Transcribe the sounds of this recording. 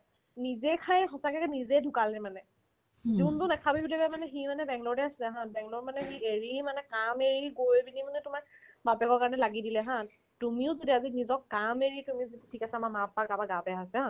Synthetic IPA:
nizɛkʰajɦɔsakɛkɛnizɛdʱʊkalnɛmanɛ | zuntʊnakʰabibudibɛmanɛximanɛbɛŋlɔɹdɛasilɛɦanbɛŋlɔɹmanɛxieɹimanɛkameɹiɡojbinimanɛtuma | mapɛkɔɹkaɹɔnɛlaɡidilɛɦã | tumiʊzodiazinizɔkːameɹitumizittʰikasɛmamapːaɡabaɡabɛɦasɛã

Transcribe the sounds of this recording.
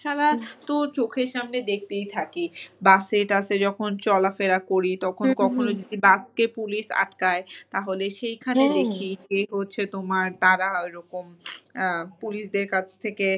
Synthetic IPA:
ʃʰaɾat̪ot͡ɕokʰeɾʃamned̪ek̚ʰt̪ejt̪ʰakibaseɾʈased͡ʑɔkʰont͡ɕɔlafeɾakoɾit̪ɔkʰonkɔkʰonod͡ʑod̪ibaskepuliʃa̰ʈkaet̪aɦoleʃejkʰaned̪ekʰieɦotːɕʰet̪omaɾt̪aɾaojɾɔkom | puliʃd̪eɾkat͡ɕʰt̪ʰeke

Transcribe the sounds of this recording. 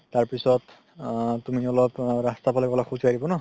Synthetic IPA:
taɹpisɔt | tumiɔlɔpɹastapʰalɛkɔlaxuzadibɔnɔ

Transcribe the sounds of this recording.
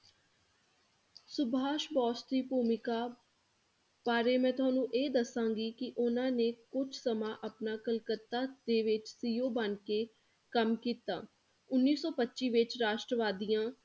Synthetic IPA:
sʊbaːʃbɔːst̪iːpuːmɪkaː | paːɾeːmɛ̃ːt̪ʊaːnũːʔeːd̪əsãːɡiːkɪʔʊnãːneːkʊt͡ʃʰsəmaːʔəpnaːkəlkət̪ːaːd̪eːʋɪt͡ʃsiːjoːbənkeː | kəmkiːt̪a̰ː | ʊnːiːsɔːpətːʃiːʋɪt͡ʃɾaːʃʈɾəʋaːd̪ijãː

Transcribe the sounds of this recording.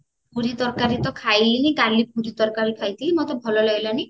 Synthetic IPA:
pʰuɾid̪ɔɾkaɾit̪ɔkʰajlinikalːip̚uɾid̪ɔɾkaɾikʰajt̪ʰiɦimɔt̪ɔbʱɔlɔlɔjlɔni

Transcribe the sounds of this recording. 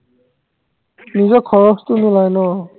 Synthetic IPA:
nid͡zʌkʰʌɾʌst̪unulajnʌ

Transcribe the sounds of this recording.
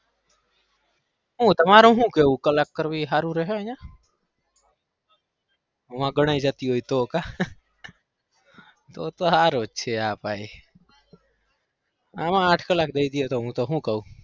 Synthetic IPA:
ɦũːt̪əmaːɾoɦũkeukələkːəɾbiɦaːɾũɾəɦeə̃jã | ʋãɡəɽ̃aːid͡ʒaːt̪iɦoːit̪oka | t̪oːt̪oɦaːɾoːʃʰeaːpaːi | aːmãaːʈʰkələk̚d̪eid̪iet̪oɦũt̪oɦũkau

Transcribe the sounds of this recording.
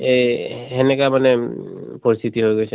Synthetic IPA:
eɦɛnɛkamanɛpɔɹist̪ʰit̪iɦojɡojsʰe

